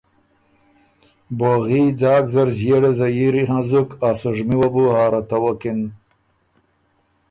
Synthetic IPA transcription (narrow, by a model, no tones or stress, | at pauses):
boɣiːd͡zaːkzɐɾzjeːɽezajiɾiɦãzukaːsuʐmiwɐbuhaːɾɐt̪awokin